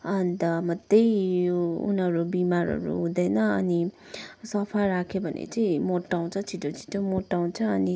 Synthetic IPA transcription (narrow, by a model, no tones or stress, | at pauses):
ʌnt̪ʌmʌt̪ːʌj | ṵnɦʌɾubimaɾʌ̰ɾṵɦũd̪ʌjnʌʌni | sʌpʰaɾakʰjobʱʌnḛt͡sʌĩmoʈːaw̃t͡sʰʌt͡sʰiʈot͡sʰi̥ʈomoʈːaw̃t͡sʰʌːni